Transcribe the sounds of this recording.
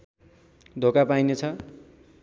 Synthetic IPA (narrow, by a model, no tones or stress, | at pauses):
d̪ʱokapajnet͡sʰʌ